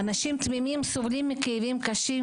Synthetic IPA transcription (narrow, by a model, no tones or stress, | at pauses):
anaʃimt̪mimimsovlimːekejvimkaʃi